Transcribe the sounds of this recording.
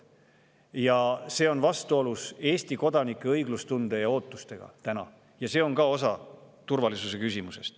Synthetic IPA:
jɑse̞ːo̞nvɑst̪uoluse̞ːst̪iko̞d̪̥ɑnikːˑeɤjɡ̥lust̪und̪̥e̞jɑo̞ːt̪ːˑu̥st̪e̞ɡ̥ɑ̰t̪ænɑ̰ | jɑse̞ːo̞ŋkɑo̞sɑ | t̪urvɑlisuse̞kysimuse̞̰st̪

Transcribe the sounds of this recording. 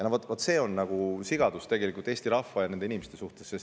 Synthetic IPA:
jɑnovot̪ːvot̪ːˑse̞ːo̞nːɑɡ̥usiɡ̥ɑd̪̥ust̪e̞ɡe̞likult̪e̞ːst̪iɾɑfɑjɑnend̪einimest̪e̞suht̪e̞sːest

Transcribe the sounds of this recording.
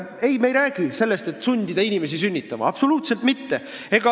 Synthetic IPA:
e̞jmejɾæːɡ̥ise̞lːe̞st̪e̞t̪ːˑsunʲd̪id̪̥ɑinʲime̞s̬isynʲːit̪ːˑɑmɑ̰ɑpso̞luːt̪se̞lt̪mit̪ːe | e̞ɡ̥ɑ

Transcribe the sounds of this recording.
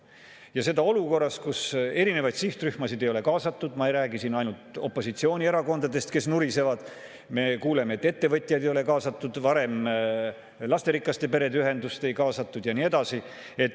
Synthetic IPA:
jɑse̞d̪ɑo̞luko̞rːɑskuse̞ɾine̞vɑjd̪̥siht̪ryhmɑsid̪e̞joe̞kɑːsɑt̪ːˑud̪̥mɑejɾæːɡisinɑjnult̪o̞pːˑo̞sit̪sio̞ːnʲie̞ɾɑko̞nd̪̥ɑd̪e̞st̪ke̞snuɾise̞vɑd̪̥ | me̞kuːle̞meet̪ːe̞t̪ːe̞vɤt̪ʲːˑjɑjd̪ejo̞le̞kɑːsɑt̪ːˑud̪̥vɑɾe̞m | lɑst̪e̞ɾikːˑɑst̪epe̞ɾe̞d̪eyɦe̞nd̪̥ust̪e̞jkɑːsɑt̪ːˑud̪̥jɑnie̞d̪̥ɑsi | e̞t̪

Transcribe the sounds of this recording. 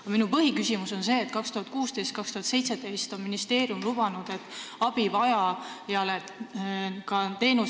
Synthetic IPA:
ɑminupɤɦikysimuso̞nse̞ːt̪̚kɑkst̪uhɑt̪̚kuːst̪e̞jst̪̚kɑkst̪uhɑt̪se̞jt̪se̞d̪e̞jst̪o̞nminist̪e̞ːɾjumlub̥ɑnud̪̥e̞t̪ːˑɑb̥ivɑjɑjɑle | kɑt̪e̞ːnu

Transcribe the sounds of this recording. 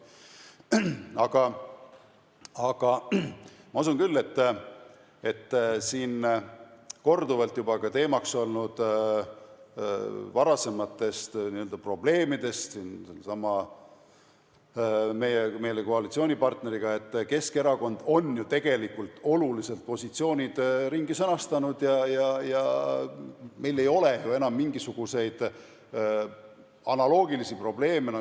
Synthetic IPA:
ɑɡ̥ɑ | ɑɡ̥ɑ | mɑus̬unkylːe̞t̪ː | e̞t̪ːsiːn | ko̞rd̪uvɑlt̪ˑjubɑkɑt̪e̞ːmɑkso̞lnud̪̥ | vɑɾɑse̞mɑt̪ˑːe̞st̪niøld̪̥ɑpro̞b̥le̞ːmid̪̥e̞st̪siːnsɑmɑ | me̞jeme̞jleko̞ɑlit̪sio̞ːnʲipɑrt̪ne̞ɾiɡ̥ɑe̞t̪ːke̞skeɾɑko̞nd̪̥o̞njut̪e̞ɡ̥e̞likːult̪ːˑo̞lulise̞lt̪̚po̞sʲit̪sio̞ːnʲid̪̥ɾiŋɡisɤnɑst̪ɑnud̪̥jɑjɑjɑ | me̞jle̞jo̞le̞jue̞nɑmːiŋɡisuɡ̥use̞jd̪̥ | ɑnɑlo̞ːɡ̥ilisipro̞ble̞ːmen

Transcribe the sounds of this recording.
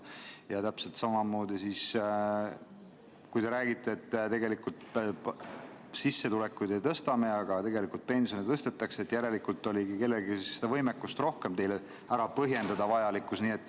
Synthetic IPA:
jɑt̪æpse̞lt̪sɑmɑmo̞ːd̪isis | kujd̪e̞ɾæːɡ̥it̪ːˑe̞ːt̪ːt̪e̞ɡe̞likult̪ | sisːe̞t̪ule̞kːujd̪et̪ɤst̪ɑme̞ɑɡ̥ɑt̪eɡe̞likult̪̚pe̞nsijonit̪ɤst̪et̪ːˑɑkseet̪ːjæɾe̞likult̪ːˑo̞lʲiɡike̞lːe̞ɡisisːed̪̥ɑvɤjmekːˑust̪ro̞hke̞mt̪e̞jle | æɾɑpɤɦje̞nd̪ɑd̪ɑvɑjɑlikːˑusniːe̞t̪ːˑ

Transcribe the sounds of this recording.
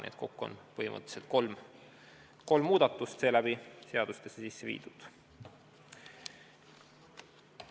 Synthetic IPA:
nḛd̪̚ko̞kːuo̰npɤhimʔɤ̰t̪ːˑe̥selt̪̚kolm | ko̞lmːuːd̪̥ɑt̪ːˑust̪se̞ːlæb̥ise̞ɑd̪̥ust̪esːesisːevḭːd̪̥ud̪̥

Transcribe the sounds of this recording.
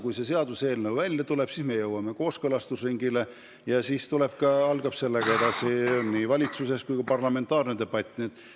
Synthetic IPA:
kujse̞se̞ɑd̪use̞ːlnɤwvælʲjɑt̪ule̞b̥sisme̞jɤwːɑme̞ko̞ːskɤlɑst̪usriŋɡile̞ | jɑsiːst̪ule̞b̥̚kɑɑlɡ̥ɑbse̞lːeɡ̥ɑe̞d̪ɑsionnːivɑlʲit̪suse̞skujkɑpɑrlɑme̞nt̪ːˑɑːrned̪e̞b̥ɑt̪ʲːˑnet̪

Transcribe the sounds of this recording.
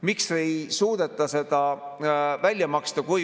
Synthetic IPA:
mikse̞jsuːd̪̥e̞t̪ːˑɑse̞d̪̥ɑ | vælʲːjɑmɑkst̪ɑkuj

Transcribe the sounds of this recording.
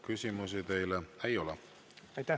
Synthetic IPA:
kysʲimus̬it̪e̞jleejo̞lɛ | ɑjt̪æ

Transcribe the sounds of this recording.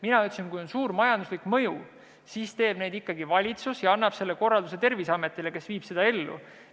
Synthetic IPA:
minɑyt̪ːsunkujo̞nsuːɾmɑjɑnd̪̥uslikmɤju | siːst̪e̞ːbne̞d̪ikːɑɡivɑlʲit̪susjɑɑnːɑb̥se̞lːe̞ko̞rːɑld̪use̞t̪e̞rvisɑme̞t̪ːˑile̞ke̞sviːb̥se̞d̪̥ɑe̞lːṵ

